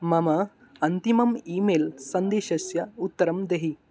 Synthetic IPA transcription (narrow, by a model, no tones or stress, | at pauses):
mɐmɐ | ɐnt̪imɐmiːmeːlsɐnd̪eːʃɐsjɐut̪ːɐɾɐmd̪eɦi